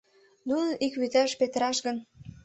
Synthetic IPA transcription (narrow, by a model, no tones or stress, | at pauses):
nunənʔikβyt̪ɑʃpet̪əɾɑʃɡən